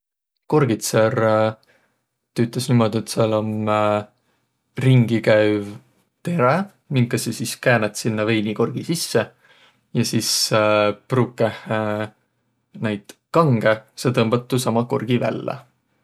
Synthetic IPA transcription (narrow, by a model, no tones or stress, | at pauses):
ko̞rɡ̥it̪ser | t̪yt̪ːˑlesnimo̞d̪̥iet̪siɑlom | riŋɡ̥ikæɥv | t̪e̞ɾe | miŋkːˑɑsisiskæːnɑt̪sinːɑve̞jniko̞rɡ̥isisːe | jɑsis | pruːkːˑeh | næjd̪̥kɑŋɡ̥eset̪ɤmb̥ɑt̪ːˑusɑmɑko̞̰rɡ̥ivæ̰lːæ̰